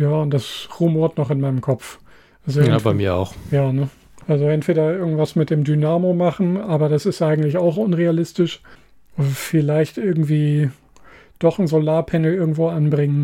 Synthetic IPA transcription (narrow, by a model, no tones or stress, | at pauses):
jaːʊnt̚d̥asʁumoːɐtnɔχɪnmaɪnəmkʰɔp͡f | ʔʔalzoɛabaɪmḭːɐa̰ʊxjaːnə | ʔalzoɛntv̥eːɾɐɪɐɡŋ̩tv̥asmɪt̚d̥eːmdynaːmomaχn̩ʔaːbɐɾasɪstʔaɪɡŋ̩tlɪçaʊxʔʊnʁealɪstɪʃ | fɪlaɪçtʔɪɐɡŋ̩tv̥iː | d̥ɔχn̩zolaːɐpʰɛnl̩ɪɐɡŋ̩tv̥oːanbʁɪŋən